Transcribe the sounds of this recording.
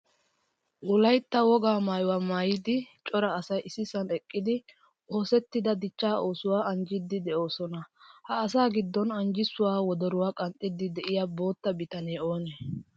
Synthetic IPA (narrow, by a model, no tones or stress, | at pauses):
ʔʊlɐjt̪ːɐwɔɡaːmaːjʊwaːmaːjɪd̪ɪt͡ʃʼɔɾɐːsɐjʔɪsɪsɐnɛkʼːɪd̪ɪ | ʔo̞ːsɛt̪ːɪd̪ɐd̪ɪt͡ʃːaːʔo̞ːsʊwaːʔɐnd͡ʒɪd̪ːɪd̪ɛʔo̞ːsɔnɐhɐːsaːɡɪd̪ːɔnɐnd͡ʒɪsʊwaːwɔd̪ɔɾʊwaːkʼɐnt̪ʼːɪd̪ɪd̪ɛʔɪjaːbo̞ːt̪ːɐbɪt̪ɐneːo̞ːneː